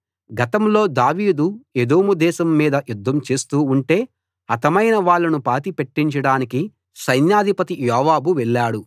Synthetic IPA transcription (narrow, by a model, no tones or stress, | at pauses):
ɡɐt̪ɐmlo̞ːd̪aːʋiːd̪ued̪oːmud̪ɛːʃɐmːiːd̪ɐjud̪ʱːɐmt͡ʃe̞ːst̪uːɳʈe̞ː | ɐt̪ɐmɐjnɐʋaːɭːɐnupaːt̪ipe̞ʈːiɲt͡ʃɐɽaːniki | sɐjnjaːd̪ʱipɐt̪ijɔːʋaːbuʋɛɭːaːɽu